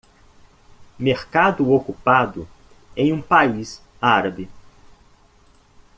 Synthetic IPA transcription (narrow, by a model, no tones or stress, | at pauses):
meɾkad̪ʊokupad̪ʊ | ẽj̃ũpais | aɾɐbɪ